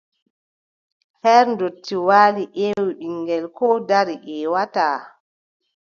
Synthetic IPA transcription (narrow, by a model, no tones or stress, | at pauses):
hɛːɾndotːiwaːliʔewiɓiŋɡɛlkɔdaɾiʔɛːwataː